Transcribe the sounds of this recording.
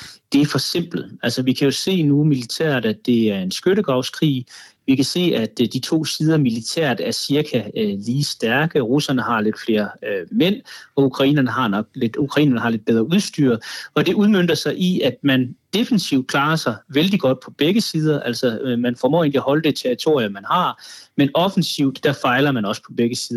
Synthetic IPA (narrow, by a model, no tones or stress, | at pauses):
d̥e̝æɐfɒ̽se̝m̰b̥l̩æl̰sɐʋikʰæjo̝se̝̰ːnumilit͡sʰæ̰ɐd̥æd̥e̝æɐe̝nsɡ̥øɾəɡ̥ɑ̈ʊskʰʁḭːʋikʰæse̝̰ːæd̥d̥it͡sʰo̝̰ːsiːð̞ˠɐmilit͡sʰæ̰ɐ̰d̥æɐsiɐkʰæliːsd̥æɐɡ̥əʁusɐnəhɑ̈le̝d̥fle̝ːɐmen̰ɒ̽ukʰʁɑ̈ḭːnɐnəɦɑ̈nɒ̽ɡ̥̚led̥ukʰʁɑ̈ḭːnɐnəhɑ̈led̥̚b̥eð̞ˠʁɐuð̞ˠsd̥yɐ̰ɒ̽d̥e̝ʔuð̞ˠmøn̰d̥ɐsɑ̈ɪʔiæd̥̚mænd̥e̝fənsiʊ̰d̥̚kʰl̥ɑ̈ːɐsɑ̈ɪʋeld̥iɡ̥ɒ̽d̥̚pʰɒ̽b̥eɡ̥əsiːð̞ˠɐʔæl̰sɒmænfɒmɔ̰ːe̝ːnliæhɒ̽ləd̥e̝t͡sʰeɐʁit͡sʰo̝̰ɐiɐmænhɑ̈menɒ̽fn̩siʊ̰d̥ːɑfɑ̈ɪlɐmænɒ̽sə̥pʰɒ̽b̥eɡ̥əsiːðˠɐ